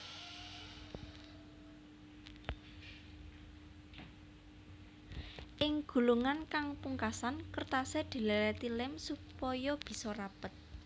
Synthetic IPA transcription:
ʔɪŋɡ̥ṳluŋankaŋpuŋkasankərt̪aseɖ̪̥i̤leɾɛt̪ilɪmsupɔjɔb̥i̤sɔrapət̪̚

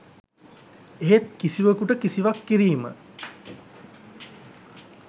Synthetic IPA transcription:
eɦet̪kisiʋəkuʈəkisiʋakːiɾiːmə̰

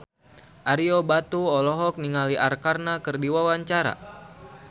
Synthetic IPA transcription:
ʔaɾiɔbat̪uɔlɔɦɔk̚niŋaliʔarkarnakɨrdiwawaɲt͡ʃaɾa̰

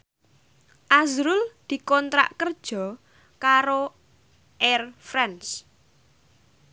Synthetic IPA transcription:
ʔazɾʊld̪̥i̤kɔnt̪ɾa̰ʔkərd̥ʒ̥ɔ̤ | kaɾo | ʔɛrfɾans

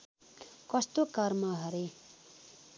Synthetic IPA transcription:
kʌst̪okʌrmʌɦʌɾe

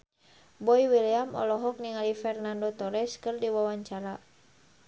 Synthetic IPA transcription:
bɔiwiliamɔ̰lɔɦɔk̚niŋalifɛrnandɔt̪ɔɾɛskɨrdiwawaɲt͡ʃaɾa

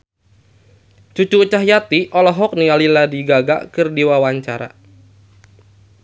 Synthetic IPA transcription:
t͡ʃut͡ʃuːt͡ʃaɦjat̪iʔɔlɔɦɔk̚nialiladiɡaɡa̰kɨrdiwawaɲt͡ʃaɾa̰

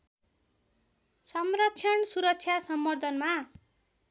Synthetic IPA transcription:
sʌmrʌtt͡sʰjʌɳsuɾʌk̚t͡sʰjasʌmːʌrd̪ʱʌnma

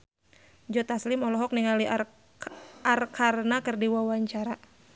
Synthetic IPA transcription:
d͡ʒɔt̪aslimɔlɔɦɔk̚niŋali | arkʰarnakɨrdiwawaɲt͡ʃaɾa

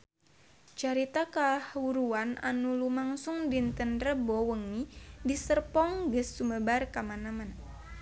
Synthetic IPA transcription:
t͡ʃaɾit̪akalahwuɾuana̰nulumaŋsʊŋdint̪ənrəbɔwəŋidisərpɔŋɡəsːuməbarkamanaman

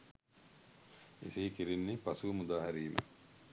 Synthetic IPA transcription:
esiikiɾinːepasuʋmud̪aːɦæɾiːmə̰

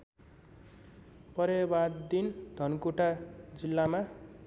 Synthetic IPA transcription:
pʌɾebad̪d̪ind̪ʱʌnkuʈad͡zilːama

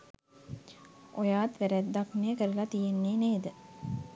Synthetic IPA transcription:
ʔojaːt̪ʋæɾæd̪ːaknejːkəɾəlat̪ijenːeːneːd̪ə

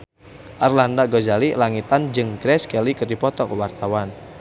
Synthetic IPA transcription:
ʔarlandaɡozalilaŋit̪and͡ʒɨŋɡɾɛskɛlikərdipɔt̪ɔkəwart̪awan

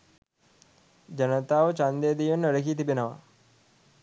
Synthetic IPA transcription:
d͡ʒɐnət̪aːʋət͡ʃand̪eːd̪ijunːəɾəkit̪̬ibenɐʋa̰

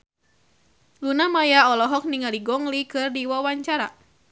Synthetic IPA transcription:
lunamajaɔlɔɦɔk̚niŋaliɡɔŋlikɨrdiwawaɲt͡ʃaɾa

